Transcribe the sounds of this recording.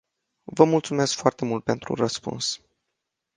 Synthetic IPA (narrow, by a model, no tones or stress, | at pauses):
vəmult̪sume̞skfoart̪e̞mult̪̚pe̞nt̪ɾṵrəspṵns